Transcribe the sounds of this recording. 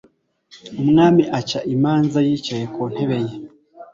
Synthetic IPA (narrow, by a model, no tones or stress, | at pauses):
omuŋaːmiʔacaʔimaːnzajit͡ʃajekon̥heβeje